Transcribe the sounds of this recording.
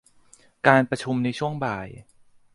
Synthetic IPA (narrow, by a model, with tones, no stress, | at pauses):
kaː˧npɾa˧t͡ɕʰu˧mna˧jt͡ɕʰu˥˩əŋbaː˨˩j